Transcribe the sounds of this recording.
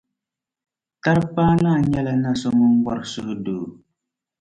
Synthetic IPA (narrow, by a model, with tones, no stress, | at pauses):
ta˦ɾpa˦na˦˨ɲɛ˦la˦na˦so˦mu˦ŋ˦ɡ͡bɔ˦ɾsu˦ʔdoː˨